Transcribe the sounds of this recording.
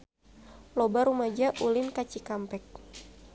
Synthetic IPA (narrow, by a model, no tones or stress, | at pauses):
lɔbaɾumad͡ʒaʔulɪnkat͡ʃikampɛk̚